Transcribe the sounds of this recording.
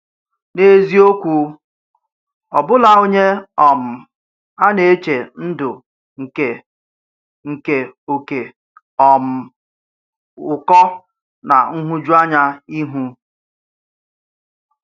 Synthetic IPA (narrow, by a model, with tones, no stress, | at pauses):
ne˦zi˦o˦kʷu˨ | ɔ˨bʊ˦la˨o˦ɲe˦ɔ˨m̩˨ | a˦ne˨e˦t͡ʃe˨n̩˦dʊ˨ | ŋ̩˨ke˨ | ŋ̩˨ke˨o˨ke˨ | ɔ˨m̩˨ | ʊ˨kɔ˦ | na̰˨ŋ̩˦ɦu˦d͡ʒu˦a˦ɲa˦i˦ɦu˦